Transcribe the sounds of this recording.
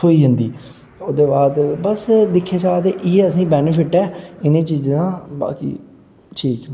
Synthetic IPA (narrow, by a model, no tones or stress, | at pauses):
oːiːɦɪnd̪iː | oːd̪eːbaːd̪bəsd̪ɪkʰːeːt͡ʃaːt̪eʔɪeəsĩːbɛːnəpʰɪʈɛːɪnẽːt͡ʃiːzãːba̰ːkḭː | ʈʰiːkː